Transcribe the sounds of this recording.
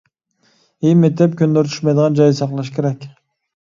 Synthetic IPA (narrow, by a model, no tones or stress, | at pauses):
emet̪ɛp̚kʲynd̪øɾt̪ʰy̥ʃmɑjd̪əʁɑnd͡ʒɑjɯsɑqlˠɑʃ̬kʲʰeɾɛkʲ